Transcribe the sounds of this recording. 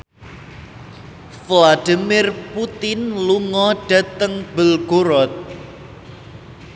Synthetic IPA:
flad̥imɪrput̪ɪnluŋɔɖ̥a̤t̪əŋbə̤lɡ̥oɾɔt̪̚

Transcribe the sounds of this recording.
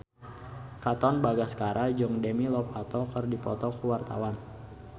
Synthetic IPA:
kat̪ɔnbaɡaskaɾʔad͡ʒɔŋdɛmilɔpat̪ɔkərdipɔt̪ɔkuwart̪a̰wan

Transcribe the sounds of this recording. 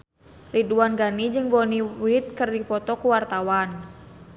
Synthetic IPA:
riduanɡanid͡ʒɨŋbɔniɾit̪̚kɨrdipɔt̪ɔkuwart̪awan

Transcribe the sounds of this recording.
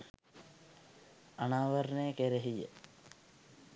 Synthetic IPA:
ɐnaːʋɐɾnekeɾeɦijə̰

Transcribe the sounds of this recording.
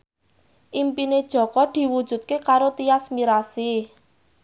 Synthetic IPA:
ʔimpined̥ʒ̥ɔ̤kɔd̪̥i̤wud̥ʒ̥ṳt̪̚kekaɾot̪iasmiɾasi

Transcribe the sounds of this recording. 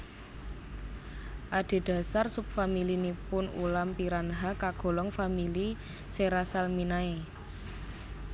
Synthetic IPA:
ʔad̪̥e̤d̪̥ä̤sarsup̚familinipʊnṵlampiɾanɦakaɡ̥o̤lɔŋfamili | seɾasalminae

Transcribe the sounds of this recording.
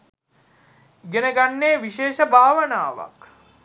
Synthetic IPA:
ɡenəɡanːeːʋiʃeːʃəbʱaːʋənaːʋa̰k

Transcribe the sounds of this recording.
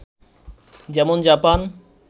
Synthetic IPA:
d͡ʑɛmond͡ʑapan

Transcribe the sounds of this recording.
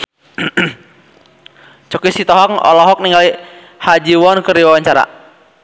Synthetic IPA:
t͡ʃɔkisit̪ɔɦɔŋɔ̰lɔɦɔk̚niŋɡali | had͡ʒiwɔnkəriwawaɲt͡ʃaɾa̰

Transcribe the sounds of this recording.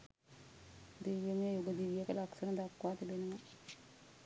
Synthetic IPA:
d̪eːʋjəmiəjuɡəd̪iʋijəkəlaksənəd̪akːʋaːt̪ebenəma

